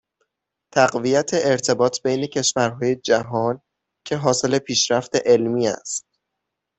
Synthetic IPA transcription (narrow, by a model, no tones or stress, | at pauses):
t̪ʰæɢvijæt̪ʰe̞ʔːɾt̪ʰe̞bɒːt̪ʰbejne̞cʰe̞ʃvæɾɦɒːje̞d͡ʒæɦɒːn | cʰe̞ɦɒːse̞le̞pʰiːʃɾæft̪e̞ʔelmiːæ̰st̪̚